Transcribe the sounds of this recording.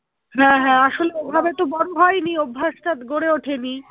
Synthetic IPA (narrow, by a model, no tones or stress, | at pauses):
ɦɛ̃ɦɛ̃aʃoleebʱabet̪obɔɽoɦɔjniobʱːaʃʈat̪ɡoɽeoʈʰeni